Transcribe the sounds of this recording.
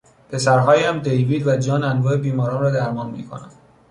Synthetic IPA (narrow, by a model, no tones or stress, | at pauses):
pʰe̞sæɾɦɒːjæmd̪e̞jviːd̪væd͡ʒɒːnænvɒːebiːmɒːɾɒːnɾɒːd̪æɾmɒːnmḭːkʰo̞̰næm